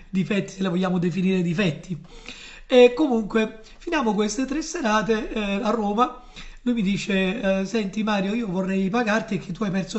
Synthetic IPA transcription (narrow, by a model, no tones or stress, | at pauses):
d̪ifɛt̪ːi̥selevoʎːaːmod̪efiniːɾed̪ifɛt̪ːi | ɛkːomuŋkwe | finjaːmokwest̪et̪ɾesːeɾaːt̪earːoːma | lujmid̪iːt͡ʃesɛnt̪imaːɾjoiːovorːɛjpaɡart̪ik̟ːet̪ːuajpɛrt̪so